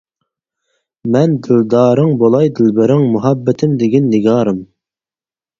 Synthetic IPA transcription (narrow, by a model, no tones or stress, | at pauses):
mɛnd̪ɪld̪ɑːɾɨŋbolˠɑjd̪ɪlbɪɾɪŋmuɦɑbːɛt̪ʰɪmd̪ɪɡʲinːɪɡʲɑːɾɨm